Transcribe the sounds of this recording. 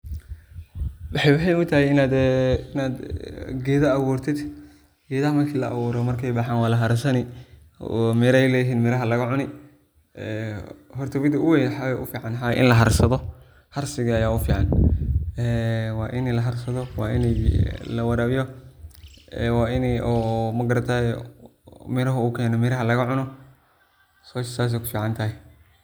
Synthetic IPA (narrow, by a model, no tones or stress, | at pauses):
wɐħjwɐħɛjʊt̪ʰɐhɛɪnaːd̪ɪnaːd̪ɡɛːðɐːɣuːrt̪ʰɪd̪ | ɡ̥ɛːðɐhɐmɐrkʰiːlɐ̰ʔɐ̰βuːɾɔmɐrkʰɛjbaħaːnwaːlɐɦɐɾsɐnɪ | ɔmɛɾɛjlɛːjɦiːnmɪɾɐɦɐlɐɣɐʕʊnɪ | ɛhɔrt̪ʰɐβɪd̪ɐʊwɛjħawɛʔʊ̰fiːʕɑnħa̰ʔɪ̰nlɐɦɐrsɐðɔ | hɐrsɪɣɐːjaːʊfiːʕɑn | ɛːwɑːʔɪnɛlɐɦɐrsɐðɔwɑːʔɪnɛjlɐwɐɾɐːβɪjɔ | ɛwaːɪnɛɔmɐɡɐɾɐt̪ʰaɛ | mɪɾɐɦʊukʰɛːnɔmɪɾɐɦɐlɐɣɐʕʊnɔ | sɔːʃsaːs̬ɛkʰʊ̥fiːʕɑnt̪ʰɐɦɛ